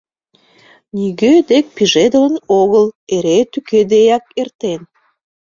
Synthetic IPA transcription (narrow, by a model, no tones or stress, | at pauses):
niɣød̪ek̚piʒed̪ələnoɣəleɾet̪yked̪ejɑk̚ert̪en